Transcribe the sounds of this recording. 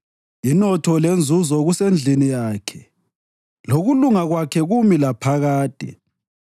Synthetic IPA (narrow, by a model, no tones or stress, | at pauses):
inɔtʰɔlend͡zʱuzɔɣusend͡ɮʱinijaːkʰɛ̥ | loɣuluŋaɣwakʰɛɣumilapʰaɣaːd̥ʱɛ̰